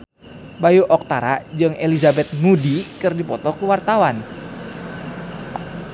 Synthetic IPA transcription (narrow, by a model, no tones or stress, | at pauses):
bajuʔɔk̚t̪aɾa̰d͡ʒɨŋelizabɛt̪̚nudikɨrdipɔt̪ɔkuwart̪awan